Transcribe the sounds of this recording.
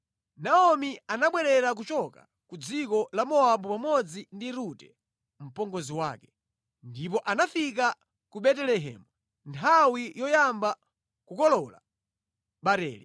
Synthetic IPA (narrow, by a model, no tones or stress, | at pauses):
naɔmianaɓwɛɾɛɾak̬ut͡ʃɔka̰ | kud͡zikɔlamɔaɓupamɔd͡zindiɾutɛ | m̩pɔŋɡɔziwaːkɛ̥ | ndip̬ɔʔanafika | kuɓɛtɛlɛɦɛ̰ːmu | ntʰawijɔjamba | kukɔlɔla̰ | ɓaɾɛ̰ːli